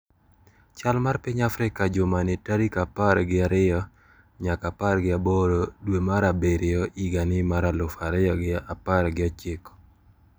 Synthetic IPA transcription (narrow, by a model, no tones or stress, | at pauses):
t͡ʃalmarpɪɲafɾɪkad͡ʒʊmanɪtaɾikapaɾɡɪaɾɪɔ | ɲakaparɡɪaboɾodwemaɾabeɾɪɔiɡanɪmaɾalʊfaɾɪjɔɡɪapaɾɡɪɔt͡ʃɪkɔ̥